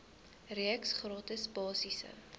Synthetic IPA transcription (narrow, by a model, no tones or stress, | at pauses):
riəksχrɑːtəsbɑːsisə̰